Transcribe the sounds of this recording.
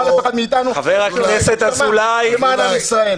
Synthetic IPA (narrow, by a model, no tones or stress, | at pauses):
alxad̪miːt̪anuxaveʁakneset̪azulajemanamisae